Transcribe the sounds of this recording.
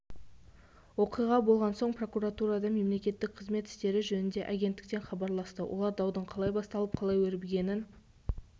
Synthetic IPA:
wo̞qijʁɑbo̞lˠʁɑnso̞ɴpro̞kuɾat̪uɾɑd̪ɑme̞mle̞kʲe̞t̪ːɪk̚qʰəzme̞t̪ɪ̥st̪e̞ɾɪʒɵnɪnd̪e̞ʔaɡʲe̞nt̪ːɪ̥k̚t̪e̞nχɑbɑɾlˠɑst̪əwʔo̞̰lˠɑɾd̪ɑwd̪əɴqʰɑlˠɑjbɑst̪ɑlˠəp̚qʰɑlˠɑjwɵɾbeɡʲe̞nɪn

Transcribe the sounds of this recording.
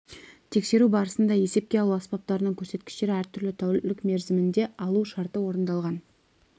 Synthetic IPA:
t̪ʰe̞kse̞ɾubɑɾəsənd̪ɑje̞se̞p̚kʲe̞ɑlˠuɑspɑp̚t̪ɑɾənəɴkʲʰɵɾse̞t̪̚kʲɪ̥ʃt̪e̞ɾɪæɾt̪ʰʏɾlɪt̪ʰæwlɪkme̞ɾzɪmɪnd̪e̞ɑlˠuʃɑɾt̪əwo̞ɾənd̪ɑlˠʁɑn

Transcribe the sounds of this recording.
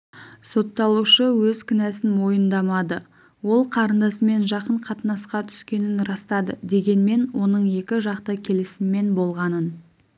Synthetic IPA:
so̞t̪ːɑlˠuʃəwɵzkʲʰɪnæsɪnmo̞jənd̪ɑmɑd̪ə | wo̞lˠqʰɑɾənd̪ɑsəme̞nʒɑqəɴqʰɑt̪nɑsqɑt̪ʰʏ̥skʲe̞nɪnɾɑst̪ɑd̪əd̪e̞ɡʲe̞nme̞nwo̞nəɴje̞kʲɪʒɑqt̪əkʲʰe̞lɪsɪmme̞nbo̞lˠʁɑnən

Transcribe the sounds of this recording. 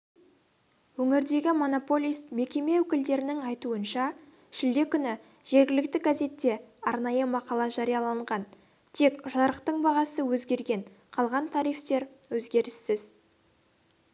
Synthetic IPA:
wɵŋɪɾd̪e̞ɡʲɪmo̞no̞po̞lʲijst̪me̞kʲe̞me̞wɵkʲɪld̪e̞ɾɪnɪŋɑjt̪uənʃɑ | ʃɪld̪e̞kʲʏnɪ | ʒ̥e̞ɾɡʲɪlɪk̚t̪ɪɡaze̞t̪ːe̞ɑɾnɑjəmɑqɑlˠɑʒɑɾijɑlˠɑɴʁɑn | t̪ʰe̞kʒɑɾəqt̪əɴbɑʁɑsəwɵzɡʲe̞ɾɡʲe̞ɴ | qʰɑlˠʁɑnt̪ʰɑɾijft̪e̞ɾwɵzɡʲe̞ɾɪsːɪz

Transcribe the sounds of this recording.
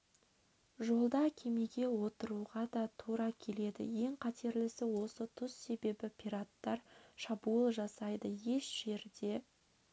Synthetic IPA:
ʒo̞lˠd̪ɑkʲʰe̞meɡʲe̞wo̞t̪əɾuʁɑd̪ɑt̪ʰuɾɑkʲʰe̞le̞d̪ɪ̰je̞ŋqʰɑt̪ʰe̞ɾlɪsɪwo̞sət̪ʰʊsːe̞be̞bɪpʰʲiɾat̪ːɑɾʃɑbuəlˠʒɑsɑjd̪əje̞ʃʒ̥e̞ɾd̪e̞

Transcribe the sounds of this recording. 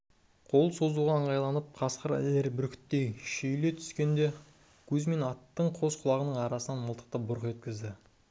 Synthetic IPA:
qʰo̞lˠsozuʁɑəɴɑjlˠɑnəp̚qʰɑsqəɾæ̰leɾbʏɾkʲʰɪ̥t̪ːejʃejle̞t̪ʰʏ̥skʲe̞nd̪e̞ | kʲʰɵzme̞nɑt̪ːəɴqʰo̞sqʰʊlˠɑʁənəɴɑɾɑsənɑnməlˠt̪ə̥qt̪ɑbʊɾəqʒet̪kʲɪzd̪ɪ

